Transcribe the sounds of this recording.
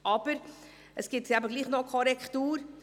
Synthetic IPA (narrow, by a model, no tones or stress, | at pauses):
ʔɑːb̥əɾ | əsɡ̥ɪtɡɛːbəɡliːχnɔkʰɔɾɛktuːɾ